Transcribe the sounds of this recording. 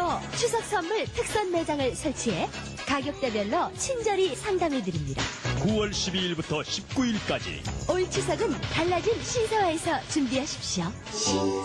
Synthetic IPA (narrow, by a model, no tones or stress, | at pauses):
tʌt͡ɕʰusʰʌk̚s͈ʰʌmːuɭtʰɯk̚s͈ʌnme̞d͡ʑaŋɯɭsʰʌɭt͡ɕʰiɦe̞ | kaɡjʌk̚t͈ebjʌɭːʌt͡ɕʰind͡ʑʌɾisʰaŋdamidɯɾimɲida̰kuwʌɭɕʰibiːɭbutʰʌɕʰip̚k͈uiɭk͈ad͡ʑḭoiɭt͡ɕʰus̬ʰʌɡɯntaɭːad͡ʑinɕʰisʰʌwaesʰʌt͡ɕumbiɦaɕʰi̥p̚ɕ͈io